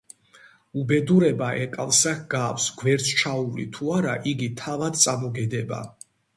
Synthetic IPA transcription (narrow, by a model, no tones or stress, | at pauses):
ubɛd̪uɾɛbaʔɛkʼalˠsakɡaksɡwɛɾt̪sʰt͡ʃʰaulḭt̪ʰuaɾaʔiɡit̪ʰavad̪̚t̪sʼamɔɡɛd̪ɛba̰